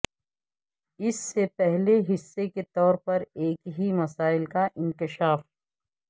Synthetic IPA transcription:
ɪsːepɛɦleɦɪsːeket̪ɔːɾpɐɾeːkɦimɐsaːɪlkaʔɪ̃nkɪʃaːf

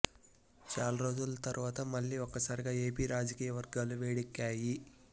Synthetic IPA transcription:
t͡ʃaːlɐɾo̞ːd͡ʒulɐt̪ɐɾʔuʋaːt̪ɐmɐɭːiːɔkːɐsaːɾiɡaːe̞ːpiːɾaːd͡ʒɐkiːjɐʋɐɾɡaːluʋeːɽikːaːji

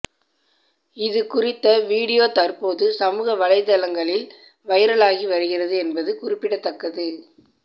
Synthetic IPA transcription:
ɪðɯkʊrɪt̪ːɐʋiːɽɪjoːt̪ɐrpoːðɯsɐmuːɣɐʋɐɻɐɪt̪ɐlɐŋɡɐɭɪl | ʋɐjɐɾɐɭaːɣiʋɐɾɯɣɪrɐðɯɛnbɐðɯkʊrɪpːɪɽɐt̪ːɐkːɐðɯ

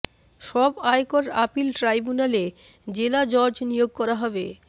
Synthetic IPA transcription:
ʃɔbajkoɾapilʈɾajbunale | d͡ʑelad͡ʑɔɾd͡ʑnijoɡ̚kɔɾaɦɔbe

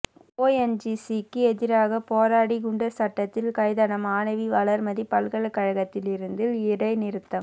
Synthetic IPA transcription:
oːɛnd͡ʒisikːɯɛðɪɾaːɣɐpoːɾaːɽiɡʊɳɖɐɾsɐʈːɐt̪ːɪlkɐɪðɐnɐmaːnɐʋiʋɐlɐɾmɐðipɐlɣɐɭɐkːɐɻɐɣɐt̪ːɪlɪɾɯnd̪ɪlɪɽɐɪnɪɾɯt̪ːɐm

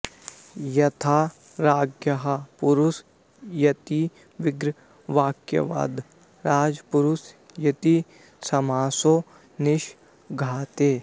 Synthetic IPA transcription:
jɐt̪ʰaː | ɾaːɡjɐɦapʊɾʊs | jɐt̪i | ʋɪɡɾ | ʋaːkjɐ̰ʋa̰ːd̪ | ɾaːd͡ʒpʊɾʊs | jɐt̪i | sɐmaːsoː | nɪʃ | ɡʱaːt̪eː

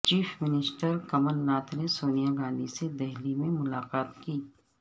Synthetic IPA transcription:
t͡ʃiːfmɪnɪsʈəɾkɐməlnaːt̪ʰnesoːnijaɡãːnd̪ised̪ɛɦlimẽmʊlaːqaːt̪kiː

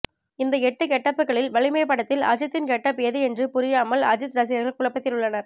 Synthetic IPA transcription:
ɪnd̪ɐɛʈːɯkɛʈːɐpːɯkːɐɭɪlʋɐɭɪmɐjpːɐɽɐt̪ːɪlɐ̰d͡ʒɐt̪ːɪnkɛʈːɐpːɪjɐðɯɛndrɯpʊɾɪjaːmɐlɐ̰d͡ʒɐt̪ɾɐs̬ɪjɐɾɣɐɭkʊɭɐpːɐt̪ːɪlʊɭːɐnɐɾ

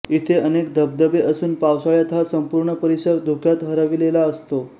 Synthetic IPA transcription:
it̪ʰeənekd̪ʱəb̚d̪əbeʔəsuːnpawsaɭjat̪ɦasəmpuɾɳəpəɾisəɾd̪ʱukʰjat̪ɦəɾaʋilelaəst̪o

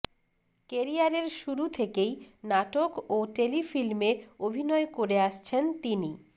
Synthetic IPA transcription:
keɾiaɾeɾʃuɾut̪ʰekejnaʈokoʈelifilmeobʱinɔekoɾeaʃt͡ɕʰent̪ini

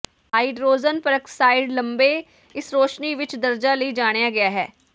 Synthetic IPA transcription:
aːiɖɾoːzənpəɾəksaːɪɖləmbeː | ɪsɾoːʃniːʋɪt͡ʃd̪əɾd͡ʒaːləiːd͡ʒaːɽ̃ejaːɡɪjaːɦɛː

